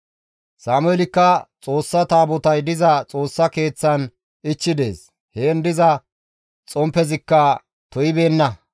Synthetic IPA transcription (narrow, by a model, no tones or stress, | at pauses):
saːmʊjɛlɪkːɐt͡sʼo̞ːsːɐt̪aːbɔt̪ɐjd̪ɪzɐt͡sʼo̞ːsːɐke̞ːt͡sːɐn | ɪt͡ʃːɪd̪e̞̰ːs | heːnd̪ɪzɐ | t͡sʼɔmpːɛzɪkːɐ | t̪ɔjɪbe̞ːnːɐ